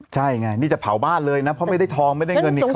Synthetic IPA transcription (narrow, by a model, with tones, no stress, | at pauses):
t͡ɕʰa˥˩jŋa˧jniː˥˩t͡ɕa˨˩pʰa̰˩˦wbaː˥˩nlɤː˧jna˦˥pʰɔ˦˥ma˥˩jda˥˩jt̪ʰɔː˧ŋma˥˩jda˥˩jŋɤ˧nːi˨˩k